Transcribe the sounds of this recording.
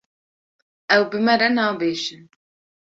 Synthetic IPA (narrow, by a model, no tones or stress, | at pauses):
ɛwbɨmɛɾɛnɑːbeːʃɨn